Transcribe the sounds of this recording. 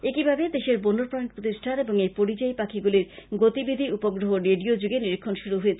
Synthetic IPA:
ekibʱabed̪eʃeɾbonːoɾpɾan̚pɾot̪iʃʈʰaneboŋejpoɾit͡ɕaepakʰiɡuliɾɡot̪ibid̪ʱiupoɡɾoɦoɾeɖiod͡ʑuɡeniɾikʰːonʃuɾuɦoet͡ɕʰe

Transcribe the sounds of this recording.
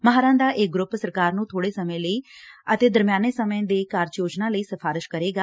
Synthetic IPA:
məɦaːɾãːd̪aːʔeɡɾʊpːsəɾkaːɾnũːt̪ʰoːɽeːsəmẽːləiːət̪eːd̪əɾmɪjaːneːsəmãːd̪eːkaːɾd͡ʒjoːd͡ʒnaːləiːsəpʰaːɾɪʃkəɾeːɡaː

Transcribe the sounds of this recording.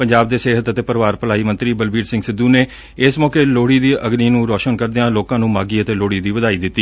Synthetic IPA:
pəɲd͡ʒaːb̚d̪eːseːɦət̪ət̪eːpəɾʋaːɾpəlaːiːmə̃nt̪ɾiːbəlbiːɾsɪ̃ŋɡsɪd̪uːneː | ɪsmɔːkeːloːɽiːd̪iːʔəɡniːnũːɾɔːʃənkəɾd̪eãːloːkãːnũːmaːɡiːət̪eːloːɽiːd̪iːʋəd̪aːiːd̪ɪt̪ːiː

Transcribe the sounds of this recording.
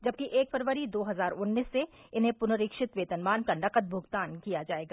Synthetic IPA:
d͡ʒɐb̚kiʔeːkfəɾʋəɾid̪oːɦɐzaːɾʊnːiːsːe | ɪnɦẽpʊnəɾikʃɪt̪ʋeːt̪ənmaːnkanɐqəd̪̚bʱʊɡt̪aːnkijad͡ʒaːeːɡaː

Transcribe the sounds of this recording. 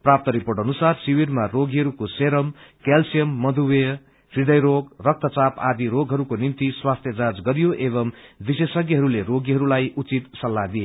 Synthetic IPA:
prap̚t̪ʌɾipoɾʈʌnusarsiwirmaroɡiɦʌɾukoseɾʌmkelsijʌmːʌd̪ʱuwe | rid̪ʌjɾoɡrʌk̚t̪ʌt͡sapa̰d̪iɾoɡʱɦʌɾukonimt̪iswast̪ʰjʌd͡zad͡zɡʌɾijoʔeβʌmb̪isesʌɡjiɦʌɾuleɾoɡiɦʌɾulajʔut͡sit̪sʌlːad̪ije

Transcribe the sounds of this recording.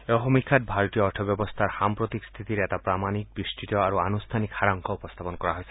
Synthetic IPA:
eɔɦomikʰat̪̚bʱaɾɔt̪ijɔɔʈʰɔbjɔbɔst̪ʰaɾhampɾot̪ikst̪ʰit̪iɾeɛt̪apɾamanik̚bisʈit̪ɔaɾuanust̪ʰanikhaɾaŋkʰɔupɔst̪ʰapɔnkɔɾaɦojse

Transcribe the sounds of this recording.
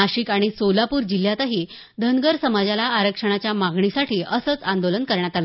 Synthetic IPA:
aɕiːkaɽ̃isolapuːɾd͡ʑil̤ːjat̪aɦiː | d̪ʱənɡəɾsəmad͡zalaːɾəkʂəɽ̃at͡ɕjamaɡɳisaʈʰiːʔəsət͡sand̪olənkəɾɳjat̪ala

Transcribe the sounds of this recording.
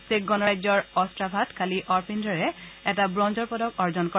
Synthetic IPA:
sek̚ɡɔnɹajzɔɹɔstɹabʱatkʰaliʔɔɹpʰindʱɔɹɛɛtabɹɔnzɔɹpɔdɔkɔɹzɔnkɔ

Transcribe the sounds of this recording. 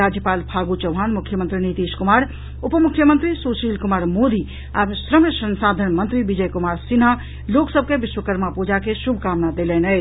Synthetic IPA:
aːd͡ʒjəpaːlpʰaːɡut͡ʃəʊɦaːnmukʰːjəmə̃nt̪ɾinit̪iːskumaːɾ | upəmukʰːjəmənt̪ɾisoːsiːlkumaːɾmod̪i | aːbsɾəməsənsaːd̪ʱənmənt̪ɾibid͡ʒəjkumaːɾsina | loksəb̚ʱkebiʃwəkəɾmapud͡ʒakesubʱkaːmnad̪elɛnə

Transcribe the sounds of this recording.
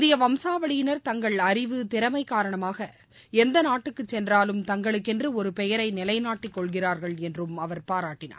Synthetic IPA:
d̪ɪjɐʋɐmsaːʋɐɭɪjɪnɐɾt̪ɐŋɡɐɭɐɾɪʋɯt̪ɪɾɐmɐɪkːaːɾɐɳɐmaːɣɐ | ɛnd̪ɐnaːʈːɯkːɯt͡ʃːɛndraːlɯmt̪ɐŋɡɐɭɯkːɛndrɯɔɾɯpɛjɐɾɐɪnɪlɐɪnaːʈːikːɔɭɣɪraːɾɣɐɭɛndrɯmɐʋɐɾpaːɾaːʈːɪna̰ː

